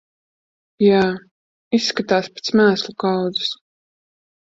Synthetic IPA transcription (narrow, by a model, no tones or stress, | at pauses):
jaː | isːkat̪aːspe̥t̪smæːslˠukawd̪u̥s